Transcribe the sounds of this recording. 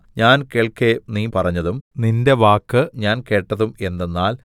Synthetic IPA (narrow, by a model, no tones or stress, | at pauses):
ɲaːnkeːɭkeniːpɐrɐɲːɐðumninde̞ʋaːkːɨɲaːnke̞ːʈːɐðume̞nd̪enːaːl